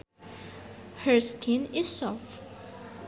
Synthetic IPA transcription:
həɹskʰɪ̃nɪz̥sɔf

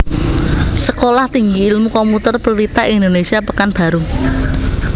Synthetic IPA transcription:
səkolaht̪iŋɡiːlmukɔmput̪ərpəllit̪aʔind̪onesiapəkanb̥a̤ɾu

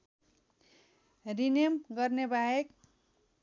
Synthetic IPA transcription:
rinemɡʌrnebaek

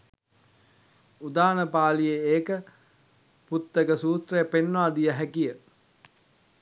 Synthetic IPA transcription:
ud̪aːnəpaːlijeeːkə | put̪ːəkəsuːt̪rəjəpenːoʋaːd̪ijəɦækijə

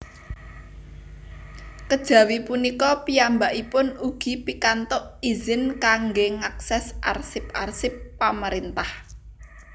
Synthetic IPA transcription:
kəd̥ʒ̥ä̤wipunikɔpiambaʔipʊnuɡ̥i̤pikant̪ʊʔizɪnkaŋɡeŋaksɛsʔa̰rsɪparsɪpːaməɾint̪ah

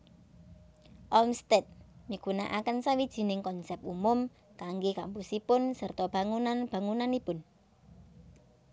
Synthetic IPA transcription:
ʔɔlmst̪et̪̚mikuna̰ʔakənsawid̥ʒ̥i̤nɪŋkɔnsɛp̚umʊm | kaŋɡekampusipʊnsərt̪ɔb̥a̤ŋunanb̥a̤ŋunanipʊn

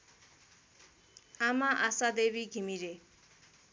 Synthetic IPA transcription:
amaʔasad̪ebiɡimiɾeʔ

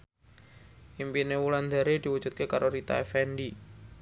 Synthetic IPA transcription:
ʔimpinewuland̪aɾed̪̥i̤wud̥d͡ʒ̥ṳt̪̚kekaɾoɾit̪a̰efɛnɖi

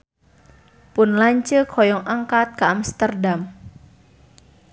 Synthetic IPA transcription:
pʊnlaɲt͡ʃəkʰɔjɔŋʔaŋkat̪̚kaːmst̪ərdam

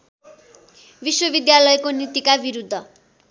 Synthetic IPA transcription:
biswʌbid̪jalʌjkonit̪ikabiɾud̪ʱːʌ

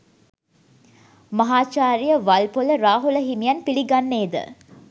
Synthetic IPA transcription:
mɐɦaːt͡ʃaːɾijəʋalpoləɾaːɦuləɦimijanpiliɡanːeːd̪ə̰

